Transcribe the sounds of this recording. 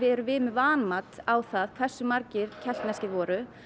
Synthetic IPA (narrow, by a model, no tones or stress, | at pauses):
vɪðɛɾʏvɪːmɪvaːnmat̪awθaðkʰv̥ɛr̥sːʏmaɾcɪɾcʰɛl̥t̪nɛscɪvɔːɾʏ